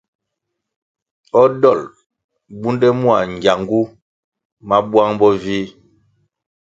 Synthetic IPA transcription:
ɔ˦dɔ˦˨l | bu˦ndɛ˦mwa˨ŋ˨ɡja˨ŋɡu˦ | ma˦bwa˦ŋbɔ˦viː˦

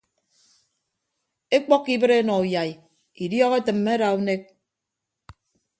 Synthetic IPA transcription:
e˦k͡pɔ˦kːi˦bɨ˦ɾe˦nɔ˨u˨ja˨j | i˨djɔ˦ɣe˦tɨ˨m̩ːe˦ɾa˨u˦ne˦k̚

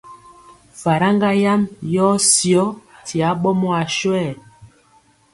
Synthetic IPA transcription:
fa˨ɾa˦ŋɡa˦ja˦mjɔ˦sjɔ˦ti˨a˨˦ɓɔ˦mɔ˦a˨ʃwɛ˦˨

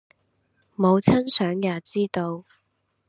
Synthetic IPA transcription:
mo˨˧wt͡sʰɐ˥nsœː˨˥ŋjaː˨˧t͡siː˥t̪o˧w

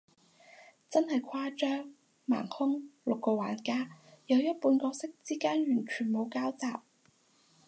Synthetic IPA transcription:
t͡sɐ˥nhɐ˨jkʷʰaː˥t͡ʃœː˥ŋ | ma̰ː˨˩ŋhʊ˥ŋlʊ˨kːɔː˧wa̰ː˨˩nkaː˥jɐ˨˧wjɐ˥t̚puː˧nkɔː˧sɪ˥k̚t͡siː˥kaː˥nɥyː˨˩nt͡ʃʰyː˨˩nmo˨˧wkaː˥wt͡saː˨p̚

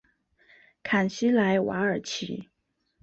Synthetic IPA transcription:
kʰa˨˩nɕi˥la˧˥ɪwa̰˧˥ə˞˨˩t͡ɕʰi˧˥

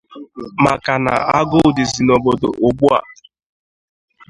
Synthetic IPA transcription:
ma˨ka˨na̰˨a˦ɡʊ˦˨dɪ˨zi˨no˨bo˨do̰˨ʔʊ˨ɡ͡bu˦a̰˨

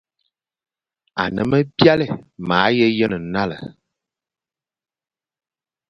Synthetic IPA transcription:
a̰˨nə̰˨˦mə˦bja˦lɛ˨maː˨˦jɛ˦jə˦nə˨˦na˦lə̰˨

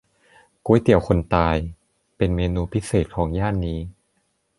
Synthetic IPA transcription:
ku˧˦ə˦jt̪i˨˩əwkʰo˧nt̪aː˧j | pe˧nmeː˧nuː˧pʰi˦˥seː˨˩t̪̚kʰɔː˩˦ŋjaː˥˩nːiː˦˥

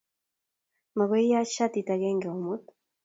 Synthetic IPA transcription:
ma˨ɣo˦ji˦ja˦ʃa˦t̪i˨t̪a˨ɡe˦ŋɡe˨o˨mu˦t̪

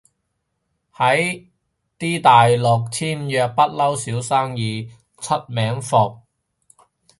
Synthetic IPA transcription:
hɐ˨˥j | t̪iː˥t̪aː˨jlʊ˨k̚t͡sʰiː˥mjœː˧k̚pɐ˥t̚lɐ˥wsiː˨˥wsaː˥ŋjiː˨˧ | t͡sʰɐ˥t̚mɛː˨˥ŋfɔ˨˩k̚

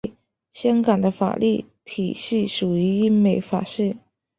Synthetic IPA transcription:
ɕja˥ŋka˨˩nd̪ə˦fa̰˨˩lʔi˥˩t̪ʰi˨˩ɕi˥˩ʂu˨˩y˧˥i˥ŋme˧˩ɪfa̰˨˩ʂɻ̩˥˩

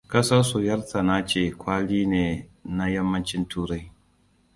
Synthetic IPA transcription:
kɐ˦sɐ˦su˨jɐ˦rtʰa˨na˦t͡ʃeː˨kʷaː˦liː˦neː˨na˦jɐ˦mːɐ˦nt͡ʃɪ˦ntuː˦ɾa˦j

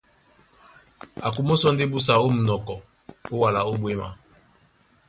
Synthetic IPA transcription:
a˨ku˨mo˦sɔ˦nde˦bu˦sa˨o˦m̩˨nɔ˨kɔ˨ | o˦wa˨la˨o˦bwe˦ma̰˨

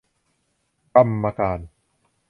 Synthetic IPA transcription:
ka˧mːa˧kaː˧n

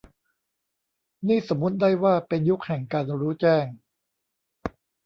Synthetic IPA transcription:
niː˥˩so˨˩˦mːu˦˥t̪̚daː˥˩jwaː˥˩pe˧nju˦˥k̚hɛ˨˩ŋkaː˧nɾuː˦˥t͡ɕɛː˥˩ŋ

